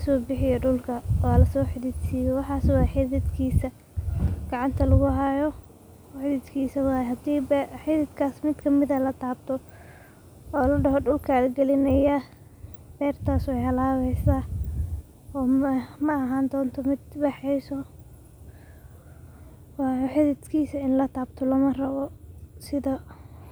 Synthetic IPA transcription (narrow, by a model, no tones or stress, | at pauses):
sɔːbɪħɪjɔɖʊlkʰɐwaːlɐsɔːħɪðɪd̪siːjɛwɑħɑːswɑːħɪðɪd̪kʰiːsɐ | ɡ̥ɑʕɑnt̪ʰɐlɐɣʊɦajɔ | ħɪðɪd̪kʰiːsɐwɑːjɦɐd̪iːbħɪðɪd̪kʰaːsmɪd̪kʰɐmɪðɐlɐt̪ʰaːbt̪ʰɔ | ɔːlɐɖɐɦɔɖʊlkʰalɡɛlɪnɐja | d̪̥ɛːrt̪ʰaːswɛjhɐlaːβɛjsaː | ɔːmɐɐɦaːnd̪ɔːnt̪ʰɔmɪd̪bɑħɛjsɔ | wɑːjɔħɪðɪd̪kʰiːsɐɪnlɐt̪ʰaːbt̪ʰɔlɐmɐrɐβɔsɪðɐ